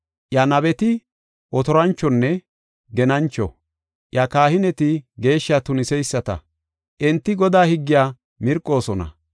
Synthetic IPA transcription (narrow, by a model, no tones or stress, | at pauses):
ʔjɐnɐbɛt̪ɪ | ʔɔt̪ɔɾɐnt͡ʃːɔnːɛ | ɡɛnɐnt͡ʃːɔ̰ | ʔjɐkaːhɪnɛt̪ɪɡe̞ːʃːat̪ʊnɪsɛjsːɐt̪ɐ̰ | ʔɛnt̪ːɪɡɔd̪aːhɪɡːɪjaː | mɪɾkʼːo̞ːsɔnɐ̰